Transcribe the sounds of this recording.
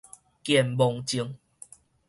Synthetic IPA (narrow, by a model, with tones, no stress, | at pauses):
kjɛ˨˩mbɔ˨˧ŋt͡ɕi˧əŋ